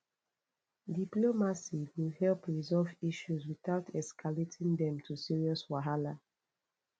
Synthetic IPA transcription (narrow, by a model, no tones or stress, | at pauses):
diplomasiwilhɛlpɹizɔlviʃuzwiθaʊtʰɛskʰaletʰĩŋdɛ̃mtʰusiɹiɔswaɦala